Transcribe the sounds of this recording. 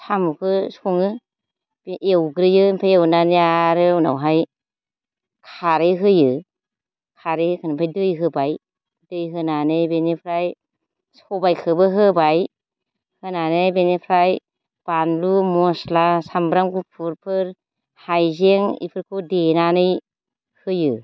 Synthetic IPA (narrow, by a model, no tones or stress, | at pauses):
sʰamukʰɯsuŋɯ | bʔewɡɾɯjɯmpʰajewnanijaɾɯuna̰wɦaj | kʰaɾɯjɦɯjɯ | kʰaɾɯjkʰɯnɯmpʰajdɯjɦɯbaj | dɯjɦɯnanɯjbenepʰɾaj | sɔbajkʰɯbɯɦɯbaj | hɯnanɯjbenepʰɾaj | b̥anlumɔslasambɾaŋɡupʰuɾpʰɯɾ | hajzeŋḭpʰɯɾkʰudenanɯj | hɯjɯ